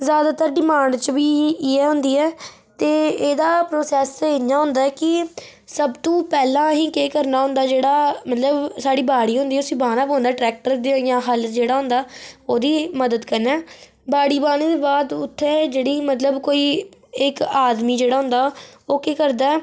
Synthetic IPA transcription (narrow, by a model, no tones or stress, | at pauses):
zjaːd̪aːt̪əɾɖɪmãːɳɖt͡ʃbiːɛːɦʊ̃nd̪iːɛː | t̪eːeːd̪aːpɾoːsɛːsenjaːɦʊ̃nd̪aɛkɪ | səbt̪õːpɛːlãːɦĩːkeːkəɾnaːɦʊ̃nd̪aːd͡ʒeːɽaːmət̪ləbsaːɖiːbaːɽiːɦʊ̃nd̪iːɛʊsĩːbaːnaːpɦõːnd̪aːʈɾɛːk̚ʈəɾd̪jãːɦəld͡ʒeːɽaːɦʊ̃nd̪aːoːd̪iːməd̪əd̪kəɾnɛː | baːɽiːbaːneːd̪eːbaːd̪ʊt̪ʰːeːd͡ʒeːɽiːmət̪ləbkoːiːɪkaːd̪miːd͡ʒeːɽaːɦʊ̃nd̪aːoːkeːkəɾd̪aːɛː